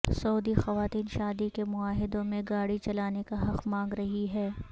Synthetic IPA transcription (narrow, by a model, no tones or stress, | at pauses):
sɐːd̪ixɐʋaːt̪iːnʃaːd̪ikemʊaːɦɪd̪õmẽɡaːɽit͡ʃɐlaːnekaɦɐqmãːŋɡɾɐɦiɦɛː